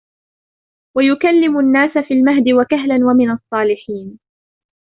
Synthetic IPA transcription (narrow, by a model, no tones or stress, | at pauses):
wajʊkalːɪmʊnːaːsafiːlmaɦd̪ɪwakaɦlanwamɪnɑsˤːɑːlɪħiːn